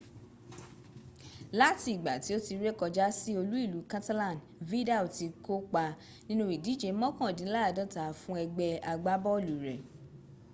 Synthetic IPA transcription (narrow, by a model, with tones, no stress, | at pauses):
la˦ti˧˦i˨ɡ͡ba˨ti˨˦o˦ti˧ɾe˦kɔ˧d͡ʒa˦si˦o˧lu˦i˦˨lu˨˦kã˦ta˦lã˦˨n˨ | vi˦da˦˨o˨ti˧ko˦k͡pa˧ | nĩ˦nũ˦i˨di˨˦d͡ʒe˨˦mɔ̃˦kã˦˨dĩ˨˦la˦a˧˨dã˦ta˨fũ˦ɛ˧ɡ͡bɛ˧a˧ɡ͡ba˦bɔ˦˨lu˨ɾɛ˨